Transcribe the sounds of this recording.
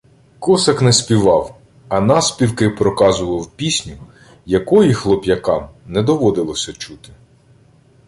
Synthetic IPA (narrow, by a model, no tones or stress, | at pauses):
kɔsɐknɛspʲiʋɑw | ɐnɑspʲiwkɪpɾɔkɑzʊʋɐwpʲisʲnʲʊ | jɐkɔjixlˠɔpʲjɐkɑmnɛd̪ɔʋɔd̪ɪlˠɔsʲɐt͡ʃut̪ɪ̥